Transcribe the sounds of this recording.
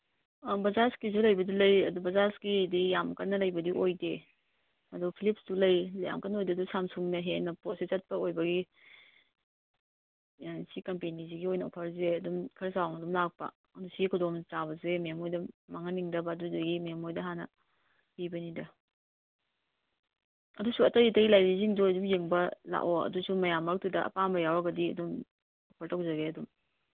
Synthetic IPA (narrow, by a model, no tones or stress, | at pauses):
bɐzaskisulɐjbɐdulɐjɐdubɐzaskidijamkɐnːɐlɐjbɐdiʔojde | ɐdupʰilip̚sdulɐjlɐja̰mkɐnɐojdedusamsuŋnɐɦenɐposet͡ʃɐt̚pɐojbɐɡi | sikɐmpeniziɡiojnɐo̰pʰɐɾzeɐdumkʰɐɾɐsawŋɐdumlak̚pɐ̰ | ɐdusiɡikʰudomt͡ʃabɐzememojdɐmaŋɐniŋdɐbɐːduzɐɡimemojdɐɦanɐ̰ | pibɐnidɐ | ɐdusuɐtɐitɐɡilajɾiziŋduɐdumjeŋbɐla̰ʔoɐ̰dusumɐjamːak̚tudɐɐ̰pambɐjawɐɡɐdiɐ̰dum | opʰɐɾtawzɐɡeɐdum